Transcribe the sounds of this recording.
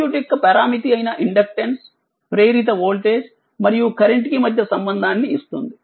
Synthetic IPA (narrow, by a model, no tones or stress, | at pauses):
uʈikːɐpɐɾaːmit̪iɐjinɐʔiɳɖɐk̚ʈens | pɾeːɾit̪̬ɐʋoːlʈe̞ːs | mɐɾijukɐɾeɳʈkimɐd̪ʱjɐsɐmbɐnd̪ʱaːnːiːst̪und̪i